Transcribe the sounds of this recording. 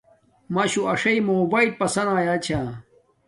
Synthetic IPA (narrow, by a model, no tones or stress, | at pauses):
maɕuɐʂɐimoːbaːil̚pɐsɐnaːjaːt͡ɕʰaː